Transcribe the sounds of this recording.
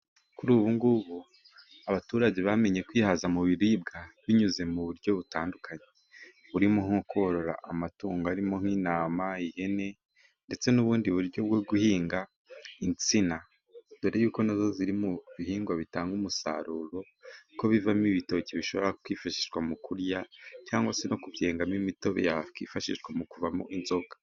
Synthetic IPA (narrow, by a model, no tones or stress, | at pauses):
kuɾuːβuŋɡuβu | aβatuːɾaɟe̞βame̞ɲe̞kwiːhazamuβiɾib̚ɡaβiɲuze̞muβuɾɟo̞βutaːndukʰaɲe | βuɾimuŋokoɾo̞ɾa̰ʔamatuːŋɡaɾimo̞ŋ̥iːnaːmaihe̞ne̞ | nde̞t͡se̞nuβuːndiβuɾɟo̞bɡwoɡuhiːŋɡa | int͡sina | deɾejuːko̞nazo̞ziɾimuβihiːŋɡwaβitaːŋɡumusa̰ɾuɾo̞ | ko̞βivamiβito̞ceβiʃo̞βoɾakwiːfaʃi̥ʃɡwamukuɾjacaːŋɡwase̞no̞kuvjeːŋɡamimito̞βḛjakwḭːfaʃiʃɡwamukuvamo̰ʔinzo̞ɡḁ